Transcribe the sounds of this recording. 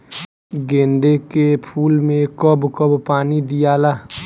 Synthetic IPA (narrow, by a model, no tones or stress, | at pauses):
ɡẽːnd̪ekepʰuːlmẽkɔbkəbpaːnid̪ijaːlaː